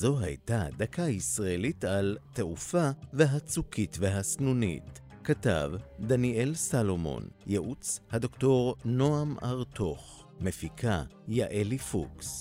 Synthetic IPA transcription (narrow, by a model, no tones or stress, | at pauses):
zo̞ɦa̰jtadakaisʁaelitalte̞ʔufave̞ɦat͡sukʰitveɦasnunḭt | kata̰vdanie̞lsalo̞mo̞̰njeʔut͡shado̞kto̞ʁno̞ama̰ʁto̞χ | me̞fikʰa | jaʔelifṵks